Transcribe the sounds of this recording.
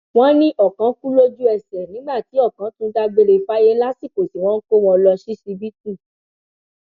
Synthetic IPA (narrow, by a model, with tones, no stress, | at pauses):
w̃ɔ̃˦nĩ˦ʔɔ˨kã˨˦ku˦lo˦d͡ʒu˦ɛ˧˨sɛ˨nĩ˨˦ɡ͡ba˦˨ti˨˦ɔ˦˨kã˨˦tũ˦da˧ɡ͡be˧ɾe˧˦fa˦je˦la˦si˦˨ko˨si˨w̃ɔ̃˦n̩˦ko˦w̃ɔ̃˧lɔ˧ʃi˦si˧bi˦t̚ũ˦˨